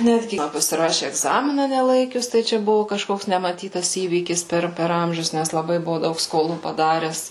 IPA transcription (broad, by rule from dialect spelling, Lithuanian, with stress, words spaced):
ˈnʲæːdʲɡʲɪ mɐn pɐsʲɪˈrɑːʃʲɪ ɛɡˈzɑːmʲɪnɐ nʲɛˈlˠɐɪkʲʊs tɐɪ ˈt͡ʃʲɛ ˈbʊʋʊ kɐʃˈkoːks nʲɛmɐˈtʲiːtɐs ˈiːʋʲiːkʲɪs ˈpʲɛr pʲɛr ˈɐmʲʒʲʊs ˈnʲæs lˠɐˈbɐɪ ˈbʊʋʊ ˈdɐʊk skoːˈlˠuː pɐˈdɑːrʲɛs